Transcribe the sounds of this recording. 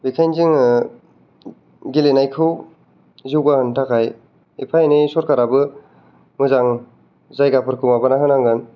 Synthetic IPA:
bikʰajnziŋ | ɡilenajkʰɯw | ziwɡahɯntʰakʰaj | ipʰajnisɔɾkaɾabɯ | mɯzaŋ | zajɡapʰɯɾkʰɯmabɯnaɦɯnaŋɡɯn

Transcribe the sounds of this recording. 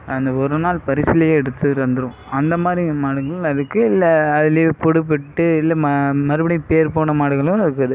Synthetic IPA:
ɐnd̪ɐɔɾɯnaːlpɐɾɪsɪlɐjeːɛɽɯt̪ːɯʋɐnd̪ɯɾʊ̃ | ɐnd̪ɐmaːd̪ɾimaːɽɯŋɡɐɭʊ̃ɐðɯkːɯɪlːɛɐðɪljepɔɽɯpːɪʈːɯɪlːɛmɐmɐɾɯbɐɽnɪpeːɾpoːɳɐmaːɽɯŋɡɐɭʊ̃ɪɾɯkːɐðɯ

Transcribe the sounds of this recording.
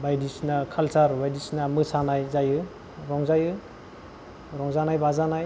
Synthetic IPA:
bajdisnakʰalsaɾbajdisnamɯsanajzajɯ | ɾɔŋzajɯ | ɾɔŋzanajbazanaj

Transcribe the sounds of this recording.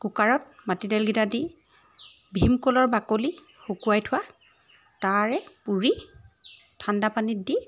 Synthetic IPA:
kukaɹɔt̚matidɛlɡitadi | bʱimkolɔɹbakoli | xukuwajtʰʊwa | taɹɛpuɹi | tʰandapanidi

